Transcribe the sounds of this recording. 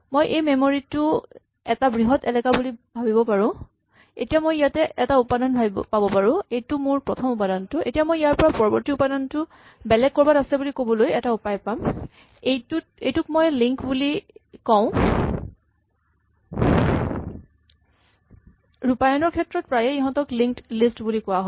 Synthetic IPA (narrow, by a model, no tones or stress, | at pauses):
mojʔejmemoɹitʊ | ɛtabɹiɦɔtɛlɛkabulibʱabibɔpaɹʊ̃ | ḛtijamojjatɛʔɛtaupadɔnbʱapabɔpaɹʊ̃ejtʊmʊɹpɹɔtʰɔmupadɔntʊḛtijamojjaɹpɔɹapɔɹɔbɔɹtiupadɔntʊ | bɛlɛɡ̚kɔɹbadasɛbulikobɔlojɛtaupajpam | ejtut̚ejtʊkmɔjliŋkbulikɔ̃ʊ̃ | ɹupajɔnɔɹkʰɛtɹɔt̚pɹajɛiɦɔ̃tɔkliŋklistbulikʊwaɦɔ